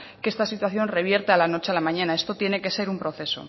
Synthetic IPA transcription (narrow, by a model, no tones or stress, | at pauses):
ke̞st̪asit̪waθjo̞nre̞β̞je̞ɾt̪ealano̞t͡ʃe̞alamãɲãnae̞st̪o̞t̪je̞ne̞ke̞se̞ɾumpɾo̞θe̞so̞̰